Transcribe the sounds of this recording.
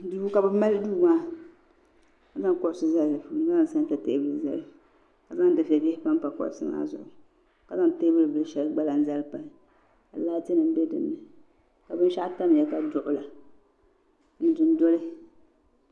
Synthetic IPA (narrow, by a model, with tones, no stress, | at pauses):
du˦u˦ka˨bɨ˦ma˦lɨ˦duː˦maː˦ | ka˨za˦ŋ˦kɔ˨ɾsɨ˦za˦lːɨ˨˦za˦˨sa˦n˦ta˨te˦bɨ˦lɨ˨za̰˨lɨ˨ | ka˨za˦ŋ˦dɨ˨fɛ˨bɛ˦hpa˦m˦pa˨kɔ̰˨ɾsɨ˦ma̰ː˦zʊ̰˨ʔʊ˨ | ka˨za˦ŋ˨te˦bɨ˦lɨ˨bɨ˨˦ɨ˦ʃɛ˦lɡ͡ba˦la˨n̩˦za˦lɨ˦pa˨ | ka˨laː˦te˦nɨ˨m̩˦bɛ˦dɨ̰˨nːɨ˨ | ka˨bɨ˦n˦ʃa˦ʔta˦m˨jɛ˨ka˨dʊ˨ʔʊ˨la˨ | n̩˦dɨ˨n˦do˦lɨ˦